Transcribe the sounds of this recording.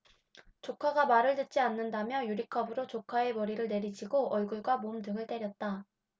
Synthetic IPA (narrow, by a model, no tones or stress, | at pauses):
t͡ɕokʰaɡamaɾɯɭtɯt̚t͡ɕ͈ianːɯndamjʌjuɾikʰʌbɯɾot͡ɕokʰae̞mʌɾiɾɯɭne̞ɾid͡ʑʰiɡoʌɭɡuɭɡwamomdɯŋɯɭt͈e̞ɾjʌt̚t͈a